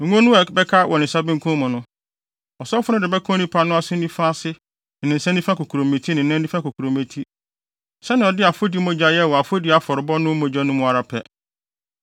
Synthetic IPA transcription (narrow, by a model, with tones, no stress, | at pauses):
ŋ̩˨ŋ˦ɔ̃˦nʊ̃˦ɛ˨bɛ˦kʰa˦wʔɔ˨nɪ̃˨sa˦bɪ̃˦ŋ̩˦kʰʊ̃˦mʊ̃˨nʊ̃˦ | ɔ˨sɔ˦fʊ˦nʊ̃˦dɪ˨bɛ˦kʰɔ̃˦nĩ˦pʰa˦nʊ̃˦a˦sɪ˦nĩ˦fã˦sɪ˦ | nɪ̃˨nɪ̃˨n̩˨sã˦nĩ˦fã˦ko˨kʰu˨ɾo˨me˨tʰi˦nɪ̃˨nã˦n˦ĩ˦fã˦ko˨kʰu˨ɾõ˨mẽ˨tʰi˦ | sɛ˦nɪ̃˨ɔ˨dɪ˦a˨fo˦di˨˦mõ˨d͡ʑa˨˦jɛ˦˨wɔ˨a˨fo˦di˨a˦fɔ˨ɾɪ˨bɔ˦nʊ̃˦mõ˨d͡ʑa˦nʊ̃˦mʊ̃˨a˨ɾa˨pʰɛ˨